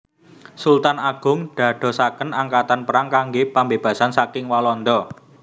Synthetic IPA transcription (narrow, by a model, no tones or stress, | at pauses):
sult̪anaɡ̥ʊ̤ŋɖ̪̥ä̤ɖ̪̥ɔ̤sakənaŋkat̪anpəɾaŋkaŋɡepambeb̥ä̤sansakɪŋwalɔnd̪ɔ